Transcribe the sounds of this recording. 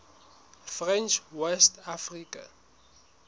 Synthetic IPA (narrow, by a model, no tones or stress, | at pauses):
frɛ̃nt͡ʃʰwɛstʰafrikʼa̰